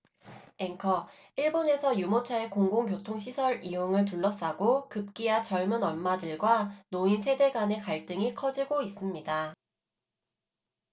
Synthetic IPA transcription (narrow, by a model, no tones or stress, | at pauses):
eŋkʰʌ | iɭbone̞sʰʌjumot͡ɕʰae̞koŋɡoŋkjotʰoŋɕʰisʰʌɾijoŋɯɭt̬uɭːʌs͈aɡokɯp̚k͈ijat͡ɕʌɭmunʌnmadɯɭɡwanoinsʰe̞de̞ɡane̞kaɭt͈ɯŋikʰʌd͡ʑiɡois͈ɯmɲida